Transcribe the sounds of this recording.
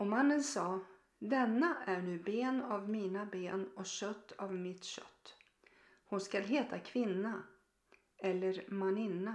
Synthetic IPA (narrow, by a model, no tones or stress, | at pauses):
ɔmanːənsɑː | d̪ɛnːaʔæɳʉ̟ːbeːnavmiːnabeːnɔɕœt̪ʰːavmɪt̪ɕœ̰t̪ː | hʊnskalɦeːt̪ʰakʰvɪnːa | ɛlːəɾmanɪnːa